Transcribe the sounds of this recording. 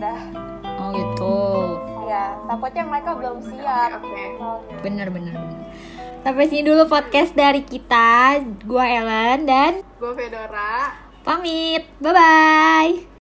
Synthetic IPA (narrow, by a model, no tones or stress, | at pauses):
dah | ɔɡət̪ujat̪akɔt̪̚ɲjaŋməɾekabəlʊmsiatokebənərbənərbənər | sapɛsinidulupɔt̪̚kɛsdaɾikit̪aɡuaeləndanɡuafedoɾa | pamit̪̚babaj